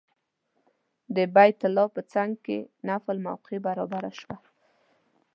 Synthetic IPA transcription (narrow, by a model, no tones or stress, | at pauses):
d̪əbajt̪ʊlɑpət͡saŋɡ̚kḛnaflma̰wqʰebaɾɑbaɾaʃwa